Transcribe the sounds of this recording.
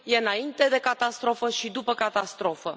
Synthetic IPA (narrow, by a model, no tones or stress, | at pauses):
je̞ɨnaint̪e̞d̪e̞kat̪ast̪ɾo̞fəʃid̪upəkat̪ast̪ɾo̞fə